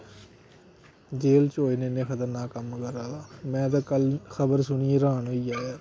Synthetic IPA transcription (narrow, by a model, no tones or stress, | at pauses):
d͡ʒeːlt͡ʃoːineːnẽːkʰət̪əɾnaːkəmkəɾaːaːmɛ̃ːd̪aːkəlxʰəbəɾsʊɳiːeɾaːnoːiːaːaː